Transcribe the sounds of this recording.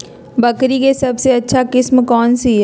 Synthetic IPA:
bɐkɾikesɐbseɐtːʃʰakɪsmkɔːnsi

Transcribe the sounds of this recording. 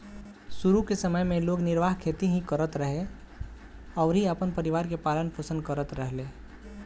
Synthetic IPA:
suɾukesəməjmẽloːɡnɪɾʋaːɦkʰeːt̪iɦĩkəɾət̪ɾəɦe | ɔːɾɦiəpənpəɾɪʋaːɾkepaːlənpʰosə̃nd̪̚kəɾət̪ɾəɦleː

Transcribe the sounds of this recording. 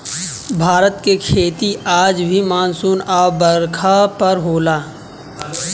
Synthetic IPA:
bʱaːɾət̪kekʰeːt̪iaːd͡ʒbʱimaːnsuːnaːbəɾkʰapɐɾɦoːlaː

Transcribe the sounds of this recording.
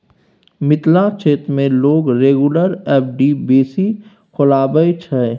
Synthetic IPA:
mɪt̪lat͡ʃʰeːt̪mẽloːɡɾeːɡuləɾɛːp̚ʰɖibeːsi | kʰʊlaːbəet͡ʃʰɛ

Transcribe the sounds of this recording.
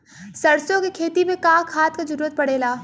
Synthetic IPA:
sɐɾsjõkekʰeːt̪imẽkaːkʰaːt̪̚kad͡ʒɐɾuːɾət̪̚pɐɽeːlaː

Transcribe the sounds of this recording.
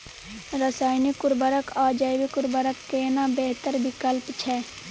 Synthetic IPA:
ɾəsaːjnikːʊɾbəɾəkʰaːd͡ʒaːɪwikʊɾbəɾəkːeːnabeːɦt̪əɾbɪkəlpt͡ʃʰɛː

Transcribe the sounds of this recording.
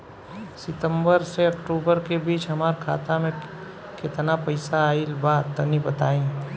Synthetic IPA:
sɪt̪ə̃mbəɾseɐkʈuːbəɾkebiːt͡ʃɦɐmaːɾkʰa̰ːt̪amẽ | kɪt̪napɐɪsaːilbaːt̪ːɐnibɐt̪aːẽː

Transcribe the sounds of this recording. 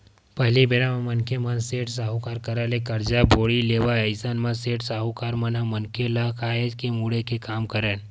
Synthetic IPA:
pɐɦlibeɾamãmɐnkʰemɐ̃nseːʈsaːɦukaːɾkɐɾalekɐɾd͡ʒaboːɽileːʋaɐɪsaːnmãseːʈsaːɦukaːɾmɐnamɐnkʰelakaːed͡ʒkemuːɽekekaːmkɐɾən

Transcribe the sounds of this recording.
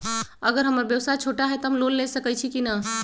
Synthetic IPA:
əɡəɾɦəməɾbjəwsajt͡ʃʰoʈaɦɛt̪ɔɦəmlollesəkɛt͡ʃʰikinə

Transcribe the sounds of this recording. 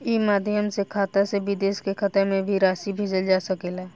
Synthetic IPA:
iːmaːd̪ʱjəmsekʰaːt̪aseʋɪd̪eːʃkekʰət̪əɾmẽbʱiɾaːʃibʱeːd͡ʒəld͡ʒaːsəkelɛː

